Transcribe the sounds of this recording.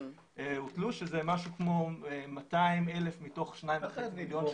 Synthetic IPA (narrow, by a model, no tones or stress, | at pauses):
ʔeutluʃezemaʃukmo̞emataimele̞fmito̞χʃnajĩmmiljon